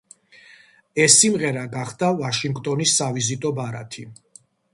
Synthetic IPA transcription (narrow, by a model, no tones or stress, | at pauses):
ɛsːimʁɛɾaɡaχd̪avaʃiŋɡt̪ʼɔnisːavizit̪ʼɔbaɾa̰t̪ʰi